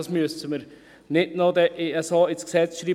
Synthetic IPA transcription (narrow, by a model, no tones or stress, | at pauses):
ɑsmyəstəməɾ | nɪtnɔd̪əʔeːɛsɑːɪsksɛt͡sʃɾiː